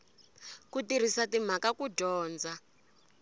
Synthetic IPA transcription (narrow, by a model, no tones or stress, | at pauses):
kutiɾ̤isatim̤akakuɟɔːnd͡za